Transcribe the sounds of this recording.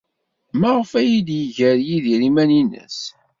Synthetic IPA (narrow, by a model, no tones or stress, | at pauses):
mæʁəfæjid̪jəʝəɾjiðiɾimæninə̰s